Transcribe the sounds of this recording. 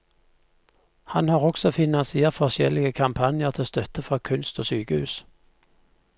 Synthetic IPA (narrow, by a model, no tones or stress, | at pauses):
hɑnhɑːʁɔksɔfɪnɑnsɪeːʁtfɔʁʃjɛlɪɡəkʰɑmpʰɑnɪəʁt̪ʰɪst̪œt̪əfʁɔːkʰʉnst̪oːsyːkəhʉːs